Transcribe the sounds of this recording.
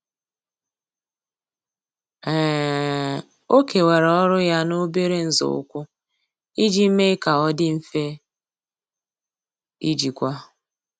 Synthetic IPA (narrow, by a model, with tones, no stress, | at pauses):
ɛː˦˨ | o˦ke˨we˨ɾɔ˦ɾʊ˦ja˦no˦be˦ɾe˦n̩˦zʊ̰˨ʊ̰˦kʷʊ˦ | i˦d͡ʒi˦me˦ka˨ɔ˦dɪ˦m̩˦fe˦ | i˦d͡ʒi˨kʷa˦